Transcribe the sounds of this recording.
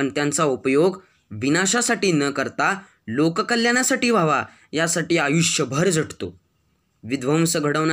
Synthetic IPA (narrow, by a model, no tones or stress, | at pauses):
pəɳt̪jãnt͡saupəjoɡ | ʋinaɕasaʈiːnəkəɾt̪a | lokəkəljañasaʈiːʋ̤ʱaʋa | jasaʈiːajuʂjəbʱəɾd͡zʱəʈʰt̪o̰ | ʋid̪ʋəmsəɡʱəɽəʋn